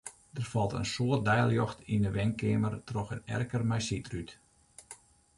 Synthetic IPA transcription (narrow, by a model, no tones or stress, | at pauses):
d̥ərfɔlˠtə̰nsoərt̚dɛjlˠjɔxtindəʋɛŋkɪːmərtrɔxənɛ̰rkərmɛjsitryt